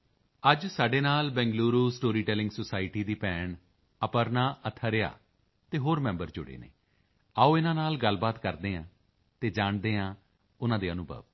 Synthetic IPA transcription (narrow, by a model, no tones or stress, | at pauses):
əd͡ʒsaːɖeːnaːlbɛ̃ːŋɡluːɾuːsʈoːɾiːʈɛːlɪ̃ŋɡsosaːɪʈiːd̪iːpɛːɳ | əpəɾnaːʔət̪ʰəɾea̰ː | t̪eːɦoːɾmɛ̃ːmbəɾd͡ʒʊɽḛːnḛː | aːõːɪnãːnaːlɡəlbaːt̪kəɾd̪eːãː | t̪eːd͡ʒaːɳd̪eːãː | ʊnãːd̪eːənuːbə̰ːʋ